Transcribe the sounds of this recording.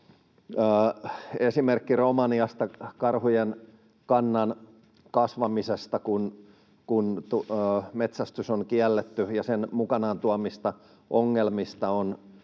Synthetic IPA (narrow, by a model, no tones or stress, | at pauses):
əːesimerkːiromɑniɑst̪ɑkɑrhujen | kɑnːɑn | kɑsʋɑmisest̪ɑkun | kunt̪umet̪sæst̪ysoŋkiælːet̪ːyjɑsenmukɑnɑːnt̪uɑmist̪ɑ | ʔoŋːelmist̪ɑon